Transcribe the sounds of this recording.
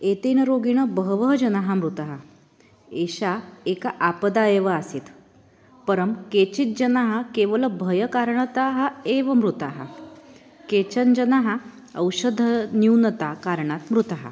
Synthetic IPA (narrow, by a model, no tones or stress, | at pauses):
et̪enəɾoɡiɳ̃əbəɦʋəɦɐd͡ʑɐnaɦamɾut̪aɦa | eɕaekaʔapəd̪ajeʋəasiːt̪ | pəɾəmket͡ɕit̪̚d͡ʑənaɦakeʋəlbʱəjəkaɾɳət̪aɦaeʋəmɾut̪aɦa̰ | ket͡ɕənd͡ʑənaɦa | əwɕəd̪ʱːənjuwnət̪akaɾɳat̪mɾut̪aɦa̰